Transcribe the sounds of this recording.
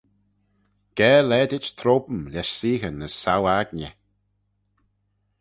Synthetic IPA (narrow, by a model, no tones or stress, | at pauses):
ɡ̥ɛːlɛːd̪ɪt͡ʃt̪ʰɾoːbəmlɛʃsiːɣənːəsːawaɡnə